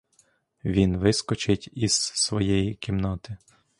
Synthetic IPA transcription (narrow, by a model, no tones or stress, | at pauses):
ʋʲinʋɪskɔt͡ʃɪtʲizsʋɔjɛjikʲimnɔt̪ɪ